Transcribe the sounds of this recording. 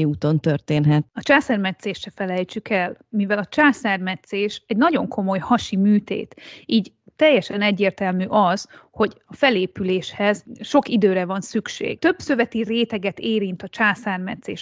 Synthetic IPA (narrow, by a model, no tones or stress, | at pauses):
iuːt̪o̞nt̪ørt̪eːnɦɛt̪ɒt͡ʃaːsɛrmɛt̪seːʃːɛfɛlɛjt͡ʃykɛlmivɛlɒt͡ʃaːsaːrmɛt̪seːʃɛɟnɒɟo̞ŋkʰo̞mo̞jhɒʃimyːt̪ḛːt̪iːɟ | t̪ɛjːɛʃɛnɛɟːeːrt̪ɛlmyːʔɒz̥ho̞ɟɒfɛleːpyleːʃhɛzʃo̞kid̪øːɾɛvɒnsykʃḛːɡ̥t̪ø̞b̥søvɛt̪ireːt̪ɛɡɛt̪eːɾint̪ɒt͡ʃaːsaːrmɛt̪sḛːʃ